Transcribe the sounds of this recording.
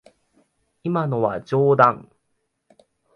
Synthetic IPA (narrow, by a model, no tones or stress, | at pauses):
imanoβad͡ʑoːd̪ãŋ